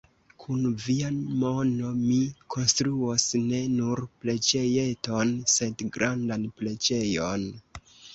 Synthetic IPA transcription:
kʰunviamo̞no̞mikʰo̞nstɾuosne̞nuɾple̞d͡ʒe̞je̞to̞nse̞dɡɾandanple̞d͡ʒe̞jo̞n

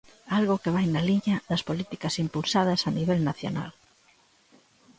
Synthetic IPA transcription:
alɣʊkeβajnɐliɲɐðɐspolit̪ikɐsimpulsað̞ɐsɐniβ̞ɛlnaθjo̰na̰l

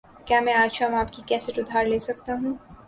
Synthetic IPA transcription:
kjaːmɛ̃aːd͡ʒʃãmaːpkikɛːseʈʊd̪ʱːaːɾleːsɐkt̪aɦũ

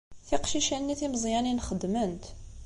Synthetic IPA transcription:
θiqʃiʃænːiθimzˤjæninxəd̪mənt̪

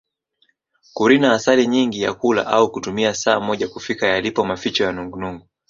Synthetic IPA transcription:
kuɾinaːsaliɲiŋɡija̰kula̰ʔaukutumiasaːmɔʄakufikajalipɔmafit͡ʃɔjanuŋɡunuŋɡu

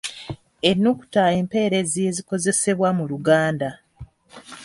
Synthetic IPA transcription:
enːuku̥tae̞ːmpe̞ːɾe̞zie̞ziko̞ze̞se̞βwamuluɡaːnda

